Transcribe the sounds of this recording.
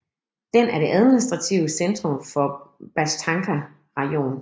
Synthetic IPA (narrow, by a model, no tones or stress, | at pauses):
d̥enæɐɾ̥e̝ʔæð̞ˠminis̬d̥ʁɑ̈t͡sʰiʊəsend̥ʁɔ̽mfɒ̽b̥æst͡sʰɑ̈ŋkʰæ | ʁɑo̝̰ːn